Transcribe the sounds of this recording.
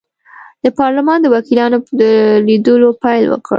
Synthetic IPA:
d̪̥əpɑɾləmɑnd̪əwakilɑnod̪əlid̪əlopajlwə̰kʰə̰ɽ

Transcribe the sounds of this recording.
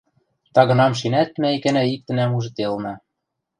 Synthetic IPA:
t̪ɑɣɤ̆nɑmʃ̬inæt̪̚mæikɘ̆næik̚t̪ɘ̆næmuʒɤ̆t̪elnɑ

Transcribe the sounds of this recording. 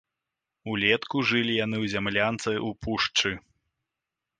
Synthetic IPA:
ulʲɛt̪kuʐɨlʲijanɨwzʲamlʲant̪sɨʔupʰuʂt͡ʂɨ

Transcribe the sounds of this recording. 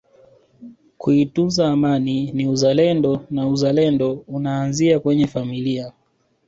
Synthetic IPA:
kuitunzaːmaniniuzalɛndɔnauzalɛndɔunaːnziakwɛɲɛfamilia

